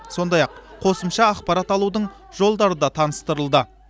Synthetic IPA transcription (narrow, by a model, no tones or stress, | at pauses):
so̞nd̪ɑjɑqqʰo̞səmʃɑːqpɑɾɑt̪ɑlˠud̪əɴ | ʒo̞lˠd̪ɑɾəd̪ɑt̪ʰɑnəst̪əɾəlˠd̪ə